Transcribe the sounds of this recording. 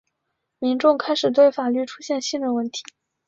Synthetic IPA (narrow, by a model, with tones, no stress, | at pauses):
mi˧˥ŋʈ͡ʂʊ˥˧ŋkʰa˥ɪʂɻ̩˨˩t̪we˥˩ɪfa˨˩ly˥˩ʈ͡ʂʰu˥ɕjɛ˥˧nɕi˥˧nɻə˥˧nwə˥˩nt̪ʰi̥˧˥˦